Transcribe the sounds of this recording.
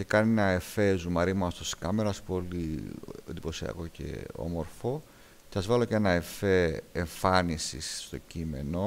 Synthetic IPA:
ce̞kɐnienɐe̞fezumɐɾimɐst̪oskɐme̞ɾɐspoliend̪ipo̞siɐ̰ko̞ce̞̰o̞̰mo̞ɾfo̞ | ceθɐzvɐlo̞cenɐefeːɱfɐnisḭsːt̪o̞cime̞̰no̞

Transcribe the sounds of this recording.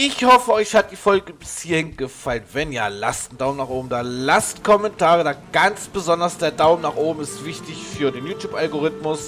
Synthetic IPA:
ʔɪçhɔfəʔɔʏçhat̚d̥iːfɔlɡəbɪshiːɐhɪnɡ̥əfalənvɛnja̰ːla̰stn̩d̥aʊmnaːχʔoːbm̩daːlastkʰɔmɛntʰaːʁədaːɡ̥ant͡sb̥əzɔndɐsd̥eːɐdaʊm̩naːχʔoːbm̩ɪstv̥ɪçtɪçfyːɐdeːnjuːtʰjuːpʔalɡoʁɪtmʊs

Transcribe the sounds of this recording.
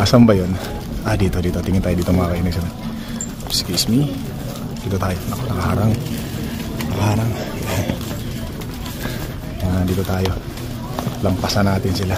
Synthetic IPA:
ʔasambajon | ad̪iːt̪od̪iːt̪ot̪iŋɪnt̪aːjod̪iːt̪omakaʔinɛɡsana | pskismi | d̪̥iːt̪ot̪aːjoɐkonɐkaɦaːɾaŋ | nakahaːɾaŋa | aŋad̪iːt̪ot̪aːjo | lɐmpasanaːt̪ɪnsɪla

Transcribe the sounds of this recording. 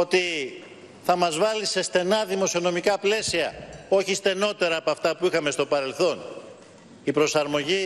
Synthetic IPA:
o̞t̪i | θɐmɐzvɐlise̞st̪e̞nɐðimo̞sio̞no̞mikɐple̞siɐo̞çist̪e̞no̞t̪e̞ɾɐːpoɐft̪ɐpuixɐmest̪o̞pɐɾe̞lθo̞n | ipɾosɐɾmo̞ʝi

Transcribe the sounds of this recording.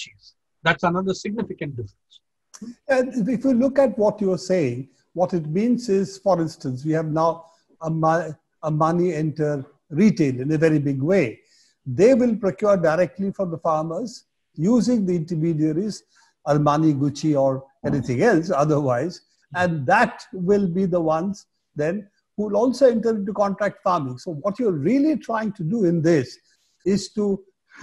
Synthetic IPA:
t͡ʃiz | d̪æʈsənʌd̪əsɪɡ̚nɪfɪkə̃ɳʈ̚ɖɪfɾə̃ns | jæɪɪfjulʊkæʈʋɔʈjuəseːɪ̃ŋ | ʋɔʈɪʈmĩːnzɪzfɔɾɪ̃nsʈə̃ns̬ʋiːhæʋnaʊ | əm | əmʌniɛ̃nʈəɾ | ɾiːʈeːlɪ̃nəʋɛɾibɪɡweː | d̪eːʋɪlpɾokjoːɾɖaɪɾɛk̚ʈlifɔɾd̪əfaːɾməz | juːzɪ̃ŋd̪iɪ̃nʈəɾmiːɖiəɾiz | əɾmʌniɡʊt͡ʃiɔɾ | ɛnit̪ʰɪ̃ŋɛlsʌd̪əɾwaɪz | æ̃nd̪æʈʋɪlbid̪əwʌ̃nz | d̪ɛ̃n | huːɪlɔːlsoɛ̃ɳʈəɾɪ̃ɳʈ̬ukɔ̃nʈɾæk̚ʈfaːɾmɪ̃ŋsoʋɔʈjuəɾɾiəliʈʰɾaɪɪ̃ŋʈuɖuɪ̃nd̪ɪs | ɪz̥ʈu

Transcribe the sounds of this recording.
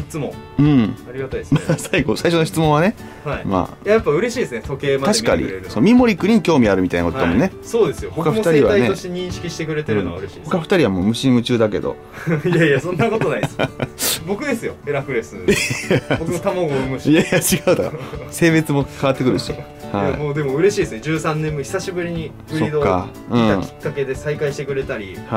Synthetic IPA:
çi̥t͡sɨmõŋ | ɯ̟̃ɴaɾʲiɡat̪amasaiɡo̞saiɕo̞noçi̥t͡sɨmõ̞ɰ̃ane̞ | haima̰ːjajapːaɯ̟ɾe̞ɕiːd̪esɨnet̪o̞keːmat̪aɕi̥ka̰ɲḭsonomʲimo̞ɾʲikːɯ̟ɲ̟ikʲo̞ːmʲiaɾɯ̟mit̪ainakot̪od̪a̰mõ̰nːesoːd̪esɨjohokaɯt̪aɾʲiβaaineoɕeɲ̟ĩɕi̥kʲiɕi̥t̪ekɯ̟ɾe̞t̪eɾɯnoaɾeɕi̥ho̞kaɸɯ̟̥t̪aɾʲiβamo̞ːmɯ̟ɕiɲĩɯ̟t͡ɕɨːd̪ake̞̰d̪o̞̰ | jajasõ̞nːako̞t̪o̞naisbo̞kɯ̟d̪e̞sɨjo̞e̞ɾakɯ̟ɾe̞sɨ | bokɯot̪amoɡomɯ̟ɕjajat͡ɕiɡaɯt̪aase̞ːbe̞t͡sɨmo̞kaβat̪ːe̞kɯ̟ɾɯ̟ɕi | haḭmoːd̪e̞mo̞ɯ̟ɾe̞ɕiːd̪sɨne̞d͡ʑɨːsãnːẽmːɯçi̥saɕibɯ̟ɾʲiɲ̟i | ɯ̟ɾoid̪okːa | ɯ̃ːakʲi̥kːake̞d̪e̞saikaiɕi̥t̪e̞kɯ̟ɾe̞t̪aɾʲiha

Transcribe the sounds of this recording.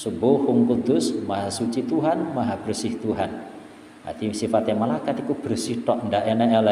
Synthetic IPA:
subohuŋkud̪ʊsmaɦasut͡ʃit̪uɦanmaɦab̥ərsiht̪uɦan | a̰t̪isifat̪amalakat̪ikub̥əɾsiht̪ɔʔɳdaʔɛnɛɛla

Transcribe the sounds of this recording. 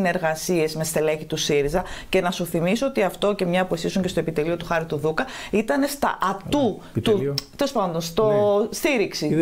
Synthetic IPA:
ne̞ɾɣɐsie̞zme̞st̪e̞leçit̪usiɾizɐce̞nɐsuθimisoot̪iɐft̪o̞ce̞mɲɐpue̞sisuɲce̞st̪oepit̪e̞lio̞t̪uxɐɾit̪uðukɐit̪ɐne̞st̪ɐ̰ʔɐt̪u | t̪ut̪eɾo̞spɐnd̪o̞nst̪o̞st̪iɾiksi

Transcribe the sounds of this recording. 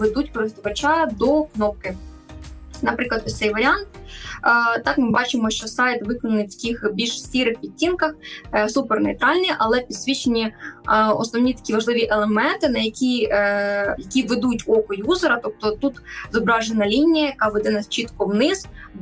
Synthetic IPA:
ʋed̪utʲkɔɾɪst̪ɔʋɐt͡ʃɑjɐd̪ɔknɔp̚kɪ | nɐpɾɪklˠɐd̪ɔt̪sɛjʋɐɾʲiɑnt̪̚ː | t̪ɑkmɪbɑt͡ʃɪmɔʃt͡ʃɔsɑjt̪ʋɪkɔnɐnɪwjtʲixbʲilʲʃsʲtʲiɾɪxpʲitʲːinkɐxsupernejt̪ɾɑlʲnʲiʔɐlˠɛpʲid̪̥sʲʋʲit͡ʃenʲi | ɔ̰snɔʋnʲit̪ɐ̥kʲiʋɐʒlˠɪʋʲiʔelˠemɛnt̪ɪnɐjɐkʲi | jɐkʲiʋed̪utʲɔkɔjuzeɾɐt̪ɔp̚t̪ɔt̪ut̪zɔbɾɑʒenɐlʲinʲijɐjɐkɑʋed̪ɛnɐst͡ʃit̪kɔwnɪz̥

